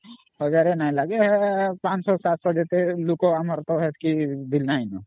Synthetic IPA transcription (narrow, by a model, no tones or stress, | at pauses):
ɦɔd͡ʒaːɾenaĩlaɡeɦpãːt͡ʃsɔsaːt̪sɔd͡ʒet̪elukoaməɾt̪ɔɦɛt̪ʰkib̪ilnaːĩno